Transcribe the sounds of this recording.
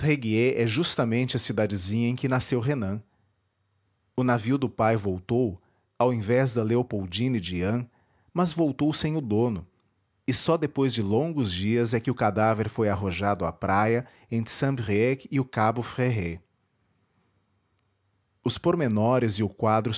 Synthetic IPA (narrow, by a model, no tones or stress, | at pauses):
heɡieʔɛʒust̪ɐmẽnt͡ʃɪɐsid̪ad͡ʒɪzĩɲɐẽkɪnasewɦenɐ̃ | ʊnaviwd̪ʊpajvowt̪ow | awẽvɛzd̪ɐleopowd͡ʒĩnɪd͡ʒiɐ̃ | mɐzvowt̪owsẽj̃ʊd̪õnʊ | ɪsɔd̪epojzd͡ʒɪlõŋɡʊzd͡ʒiɐzɛkɪʊkad̪aveɾfojaɦoʒad̪ʊa̰pɾajɐ | ẽnt̪ɾɪ̥sɐ̃bʁiɛkɪʊkabʊfʁeɦe | ʊspoɾmenɔɾɪzɪʊkwad̪ɾʊ